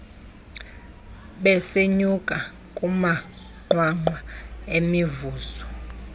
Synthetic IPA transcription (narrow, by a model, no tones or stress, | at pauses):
ɓɛseɲukʼa | kʼuma | ŋ͡ǃwaŋ͡ǃwaemivuːzɔ